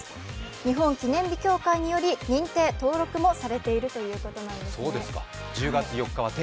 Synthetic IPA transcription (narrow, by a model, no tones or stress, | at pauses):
ɲ̟iɦõ̞ŋkʲinẽ̞mbʲikʲo̞ːkaiɲ̟ijo̞ɾʲiɲ̟ĩnt̪e̞ːt̪o̞ːɾo̞kɯ̟mo̞saɾe̞t̪e̞iɾɯ̟t̪o̞jɯ̟ːko̞t̪o̞nãnd̪e̞soːd̪e̞sɨ̥ka̰ | d͡ʑɨːɡat͡sɨjo̞kːaβat̪